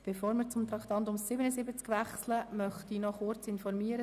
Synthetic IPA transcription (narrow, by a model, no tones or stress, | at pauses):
b̥efoːɾmɪːɾt͡sʊmt̪ɾɑkʰt̪ɑnt̪ʊmsɪbənəzɪbət͡skʋæχsləmœχt̪inɔχʊɾt͡sɪnfɔɾmiːəɾə